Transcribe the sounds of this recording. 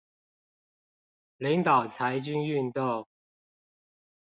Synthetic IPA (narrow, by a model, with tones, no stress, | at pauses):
li˨˥ŋt̪ɑ˨˩ʊt͡sʰa˧˥ɪt͡ɕy˥ny˥˧nt̪o˥˨ŋ